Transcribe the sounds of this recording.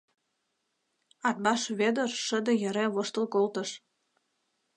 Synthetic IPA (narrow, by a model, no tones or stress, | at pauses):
ɑt̪̚bɑʃβed̪ərʃə̆d̪ə̆jə̆ɾeβoʃt̪ə̆lkolt̪ə̆ʃ